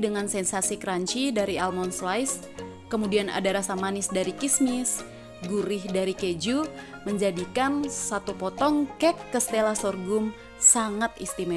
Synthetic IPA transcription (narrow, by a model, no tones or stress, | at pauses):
dəŋansɛnsasikɾaɲt͡ʃidaɾialmɔnslajs | kəmudiana̰daɾasamanisdaɾikismis | ɡuɾɪhdaɾiked͡ʒu | məɲd͡ʒadikansat̪upɔt̪ɔŋkɛkːəst̪elasɔrɡum | saŋat̪ḭst̪imɛ